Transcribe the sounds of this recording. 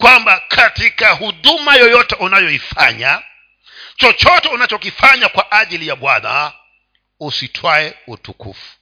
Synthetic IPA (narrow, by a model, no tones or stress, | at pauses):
kwambakʰatikahuɗumajɔjɔtɛʔunajɔifa̰ɲa | t͡ʃɔt͡ʃɔtɛunat͡ʃɔkifaɲakwaʔaʄilijaɓwana̰ | usitʰwaɛutukṵfu̥